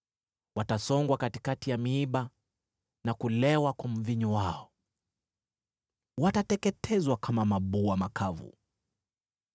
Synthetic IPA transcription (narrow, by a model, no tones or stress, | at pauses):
watasɔŋɡwakati̥katijamiiɓa | nakulɛwakwam̩viɲɔwaɔ | watatɛkɛtʰɛzwakʰamamaɓuamakavṵ